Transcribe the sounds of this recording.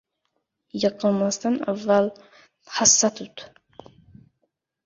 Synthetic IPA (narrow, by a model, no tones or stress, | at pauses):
jɑqənmɑst̪ana̰vːalˠ | hasːat̪ʰut̪